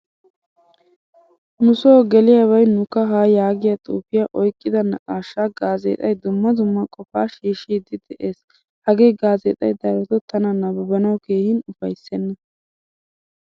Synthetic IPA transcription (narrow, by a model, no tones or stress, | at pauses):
nʊsoːɡɛlɪjaβɐjnʊkːɐɦaːjaːɡɪjat̪ʼṵːfɪjaʔɔjkʼːɪd̪ɐnɐkʼaːʃːaːɡaːzḛːt̪ʼɐjd̪ʊmːɐd̪ʊmːɐkʼɔfaːʃiːʃiːd̪ɪd̪ɛʔeːs | hɐɡeːɡaːzeːt̪ʼɐ̰jd̪ɐɾɛt̪ɔt̪ːɐnɐnɐbɐbɐnɐwke̞ːhɪnʊfɐjsːɛnːɐ